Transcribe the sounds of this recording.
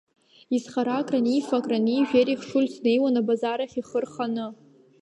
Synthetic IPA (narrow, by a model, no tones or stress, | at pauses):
izχaɾakʼranijfakʼraniʒᶣeɾiχʂulʲsne̞jwanabazaɾaχʲiχərχanɨ